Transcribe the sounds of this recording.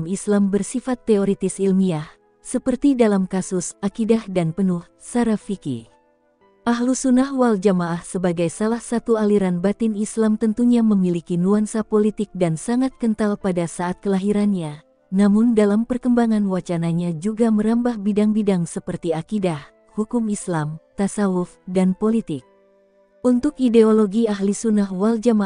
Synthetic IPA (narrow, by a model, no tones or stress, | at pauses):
mislambərsifat̪ːeoɾit̪ɪsilmiah | səpərt̪idalamkasʊsakidahdanpənʊh | saɾafikḭ | ʔaɦlusunahwald͡ʒamaʔahsəbaɡajsalahsat̪ualiɾanbat̪ɪnislamt̪ənt̪uɲaməmilikinuansapolit̪ɪk̚dansaŋat̪̚kənt̪alpadasaːt̪̚kəlaɦiɾanɲa | namʊndalampərkəmbaŋanwat͡ʃanaɲad͡ʒuɡaməɾambahbidaŋbidaŋsəpərt̪iakidah | hukumislamt̪asaufdanpolit̪ɪk̚ | unt̪ʊkideoloɡiaɦlisunahwald͡ʒama